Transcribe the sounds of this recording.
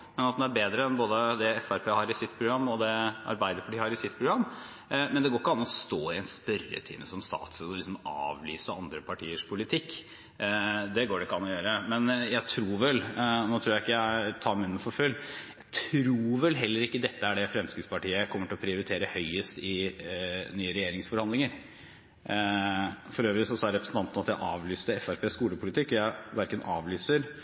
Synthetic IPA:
mɛnɑt̪d̪ɛnæɾbeːd̪ɾəɛnboːd̪əd̪ɛɛfæɾpʰeːhɑɾɪsɪt̪ːpʰɾʊɡɾɑmːɔd̪ɛɑ̰ɾbæɪd̪əɾpʰɑʈiːhɑɾɪsɪt̪pʰɾʊɡɾɑmː | mɛnd̪ɛɡoːɾkːəɑnːɔst̪oːɪɛnst̪œɾə̰t̪ʰḭːnəsɔmst̪ɑ̰ːt̪səɔlɪksɔmɑ̰ːʋlyːsəɑnd̪ɾəpʰɑʈʰiːəʂpʰʊlɪt̪ʰɪkː | d̪ɛɡoːɖɛɪkːəɑnːɔjøːɾəmɛnjæɪt̪ʰɾuːɾʋɛlnoːt̪ʰɾuːɾæɪkːəjæɪt̪ʰɑːmæʉnːəfɔɾfœlːjæɪt̪ʰɾuːɾʋɛlɦɛlːəɾɪkːəd̪ɛt̪ːəæɖɛfɾɛmskət̪spʰɑʈiːəkʰɔmːəʈɪlɔpʰɾɪʊɾɪt̪ʰeːɾəhœʏəst̪ɪ | nyːəɾɛjeːɾɪŋsfɔɾhɑnd̪ɪŋəɾ | fɔɾøːʋɾɪsɔsɑːɾɾɛpɾəsn̩t̪ɑnt̪ənɑt̪jæɪʔɑːʋlyːst̪əɛfæɾpʰeːskuːləpʰʊlɪt̪ʰɪkːɔjæɪʋæɾkənɑ̰ːʋlyːsəɾ

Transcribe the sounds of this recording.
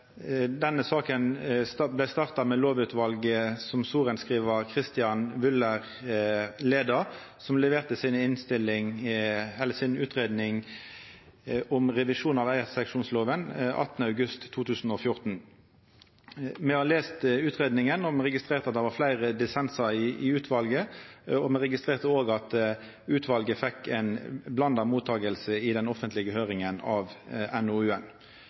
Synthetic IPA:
d̪ɛnːəsɑːkənblæɪst̪ɑːʁt̪ɑmɛːloːʋʉːt̪ʰʋɑlɡəsɔmsuːʁənskʁiːʋəkʰʁɪst̪ɪɑnʋʉləʁ | leːd̪əɾ | sɔmlɛʋeːʁt̪əsinɪnst̪ɪlɪŋ | ɛlːəsɪnʉːt̪ʁeːd̪nɪŋ | ʊmʁɛʋɪʂuːnɑʋæɪɛt̪sɛkʃuːnsloːʋənʔɑ̰t̪ːənəɑʉɡʉst̪ʰːuːt̪ʉːsn̩ɔfjʊʁt̪n̩ | mɛhɑːleːst̪ʉːt̪ʁeːd̪nɪŋənɔmɛʁɛɡɪst̪ɾeːɾt̪ɑt̪̚d̪ɛɾʋɑɾflæɪʁəd̪ɪsɛnsəɪɪʉːt̪ʰʋɑlɡəɔmɛʁɛɡɪst̪ʁeːʁt̪əoːɡɑt̪ | ʉːt̪ʰʋɑlɡəfɛkːɛɪnblɑnd̪ɑmuːt̪ʰːɑːɡəlsəɪd̪ɛnɔfənt̪lɪɡəhøːʁɪŋənɑʋɛnʊʉːɛn

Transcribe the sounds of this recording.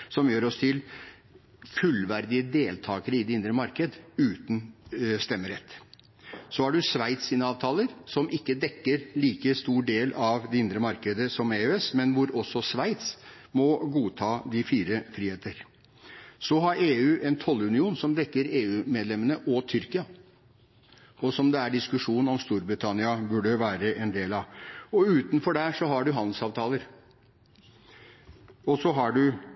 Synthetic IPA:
sɔmjøːɾɔst̪ʰɪl | fʉlʋæɾd̪ɪəd̪eːlt̪ʰɑːkəɾəɪd̪ɛɪnd̪ɾəmɑɾkəd̪ʉːt̪n̩st̪ɛmːəɾɛt̪ː | sɔæɖʉsʋæɪt̪siːnəɑːʋt̪ʰɑːləɾsɔmɪkːəd̪ɛkːəɾliːkəst̪uːɖeːlɑʋd̪ɛɪnd̪ɾəmɑɾkəd̪əsɔmeøɛsmɛnʋʊɾɔsɔsʋæɪt̪s | mɔɡuːt̪ʰɑːd̪ɪfiːɾəfɾiːheːt̪əɾ | sɔɦɑɾeːʉːʔɛnt̪ʰɔlːʉnɪuːnsɔmd̪ɛkːəɾeːʉːmeːd̪lɛmːənəʔɔt̪ʰʏɾkɪɑ | ɔsɔmd̪ɛæɖɪskʉʂuːnn̩ɔmst̪uːɾbɾɪt̪ʰɑnɪɑbʉɖəʋæːɾəʔɛnd̪eːlɑʋɔʉːt̪nfɔɖæʂɔɦɑɖʉɦɑnd̪l̩sɑːʋt̪ʰɑːləɾ | ɔsɔɦɑɖʉ

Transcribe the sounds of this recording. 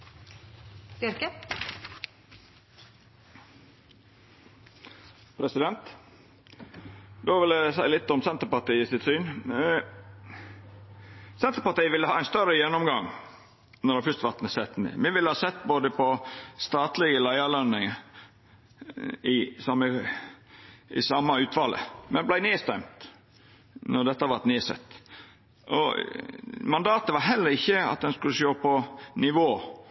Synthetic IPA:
d̪ʏɾkə | pʰɾɛsɪd̪ɛnt̪ | d̪oːʋɪlæsæɪlɪt̪ːɔmsɛnt̪ɾpɑʈ̪iːəsɪt̪syːn | sɛnt̪ɾəpɑt̪iːʋɪlːəhɑːæɪst̪œɾəjɛnːɔmɡɑŋ | nɔɾfʏst̪ʋɑt̪nəsɛt̪ːnḛmɪʋɪlːəhɑːsɛt̪ːboːd̪əpʰɔst̪ɑːt̪lɪɡəlæɪɑlœnːɪŋə | ɪsɑmə | ɪ̰sɑmːɑʉːt̪ʋɑlʔə̰mɛnblæɪneːst̪ɛmt̪ | nɔɖ̪ɛt̪ːəhɑʋɑɾt̪neːsɛ̰t̪ː | ʔɔ̰ | mɑnd̪ɑːt̪əʋɑɾɦɛlːəɾɪçːəɑ̰t̪̚d̪ɛnskʉlːəʃoːpʰɔnɪʋoː

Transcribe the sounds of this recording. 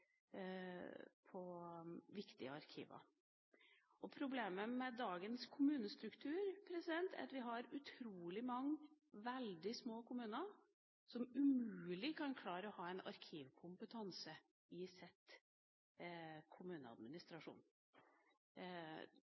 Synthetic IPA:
pʰɔʋɪkt̪ɪəɑɾkʰḭːʋə̰ | ɔpʰɾʊbleːməmɛd̪ɑːɡənskʰʊmʉːnəst̪ɾʉkt̪ʰʉːɾpʰɾɛsɪd̪ɛnt̪ʰæ̰ɾɑ̰t̪ʋɪɦɑɾʉt̪ʰɾuːlɪmɑŋː | ʋɛld̪ɪsmoːkʰʊmʉːnə | sɔmʉmʉʉːlɪkʰɑnkʰlɑːɾəɔhɑːɛnɑ̰ɾkʰiːʋkʰʊmpət̪ʰɑnsə | ɪsɛt̪ | kʰʊmʉːnəɑ̰d̪mɪnɪst̪ɾɑʂṵːn

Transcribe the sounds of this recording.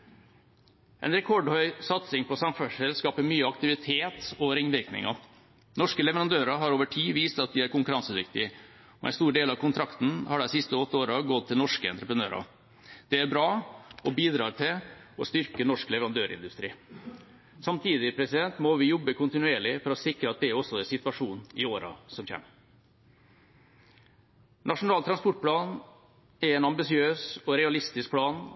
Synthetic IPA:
ʔɛ̰ɪnɾɛkʰɔɖhœʏsɑt̪sɪŋpʰɔsɑmfœʂəlskɑːpəmyːəɑkt̪ɪʋɪt̪ʰeːt̪ɔɾɪŋːʋɪɾknɪ̰ŋɑ | nɔʂkəlɛʋəɾɑnd̪øːɾɑɦɑɾoːʋəʈʰiːʋiːst̪ɑt̪̚d̪ɪæɾkʊŋkʉɾɑnsəd̪ɪkt̪ɪ | ɔʔɛ̰nst̪uːɖeːlɑʋkʰʊnt̪ʰɾɑkt̪n̩hɑɖæsɪst̪əɔt̪ːəoːɾɑɡɔt̪ʰːɪlnɔʂkəɛ̰nt̪ɾəpɾənø̰ːɾɑ̰ | d̪̥ɛæɾbɾɑːɔbiːd̪ɾɑːʈ̪ʰɪlɔst̪ʏɾkənɔʂklɛʋəɾɑnd̪øːɾɪ̰nd̪ʉst̪ɾiː | sɑmt̪ʰiːd̪ɪpʰɾɛsɪd̪ɛnt̪mɔʋɪjɔbːəkʰʊnt̪ɪnʉeːɭɪfɔɾɔsɪkɾəɑt̪̚d̪ɛæɾɔsːɔɛsɪt̪ʋɑʂuːnɪoːɾɑ̰sɔmçɛ̰ːm | nɑʂʊnɑːlt̪ʰɾɑnspɔʈ̚pʰlɑːn | æɾɛɪnɑmbɪsɪøːsɔɾɛɑlɪst̪ɪsk̚pʰlɑːn

